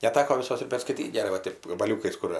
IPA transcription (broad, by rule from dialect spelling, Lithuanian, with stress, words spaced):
nʲɛˈtʲæːkoː ʋʲɪˈsoːs ɪr pʲɛrskɐɪˈtʲiːtʲ ɡʲɛˈrɐɪ ʋɐ ˈtʲeːp ɡɐbɐˈlʲuːkɐɪs ˈkʊr